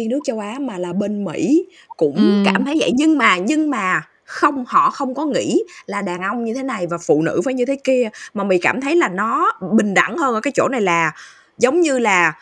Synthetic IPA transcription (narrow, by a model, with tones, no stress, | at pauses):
i˧nɨ˦˥ək̚t͡ɕə˧wʔaː˨˦maː˨˩laː˨˩ɓe˧nmḭ˧˥ | kʊ̰˧˥ŋ͡mkaː˧˩mt̪ʰə˨˦jzɛ̰˧˩ɲɨ˧ŋmaː˨˩ɲɨ˧ŋmaː˨˩ | xə˧wŋ͡mhɔ̰˧˨xə˧wŋ͡mkɔ˨˦ŋḭ˧˥laː˨˩ɗaː˨˩ŋʔə˧wŋ͡mɲɨ˧t̪ʰe˨˦na˨˩jvaː˨˩fṵ˧˨nɨ̰˧˥vəː˨˦jɲɨ˧t̪ʰe˨˦ki˧əmaː˨˩mï˨˩kaː˧˩mt̪ʰə˨˦jlaː˨˩nɔ˨˦ɓï˨˩ŋ̟ɗa̰˧˩ŋhəː˧nʔəː˧˩kaː˨˦jt͡ɕo̰˧˩na˨˩jlaː˨˩ | zə˨˦wŋ͡mɲɨ˧laː˨˩